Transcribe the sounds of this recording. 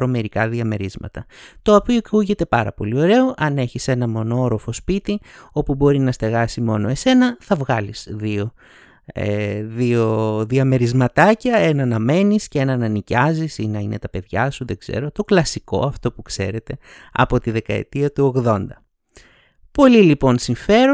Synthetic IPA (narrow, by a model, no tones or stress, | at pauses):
ɾo̞me̞ɾikɐðiɐme̞ɾizmɐ̰t̪ɐt̪o̞ɐpiokuʝe̞t̪e̞pɐɾɐ̰po̞lio̞ɾe̞o̞ʔɐne̞çise̞nɐmo̞noɾo̞fo̞spit̪io̞pubo̞ɾinɐst̪e̞ɣɐsimo̞noe̞se̞nɐθɐvɣɐlisðio̞ | ḛðio̞ðiɐme̞ɾizmɐt̪ɐcɐenɐnɐme̞niscee̞nɐnɐnicɐzisinɐine̞t̪ɐpe̞ðʝɐ̰suðeɡze̞̰ɾo̞t̪o̞klɐsiko̞̰ɐft̪o̞pukse̞̰ɾe̞t̪e̞ | ɐ̰po̞t̪iðe̞kɐḛt̪iɐt̪uo̞ɣðo̞nd̪ɐ | po̞lilipo̞nsiɱfe̞ɾo